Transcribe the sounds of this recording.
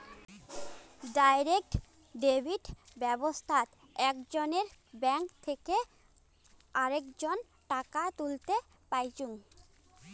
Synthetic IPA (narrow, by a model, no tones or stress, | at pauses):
ɖajɾek̚ʈ | ɖebʱiɖbɛbost̪ʰat̪ | ɛkd͡ʑoneɾbɛŋkt̪ʰeke | aɾekd͡ʑon | ʈakat̪ult̪e | pajt͡ɕuŋ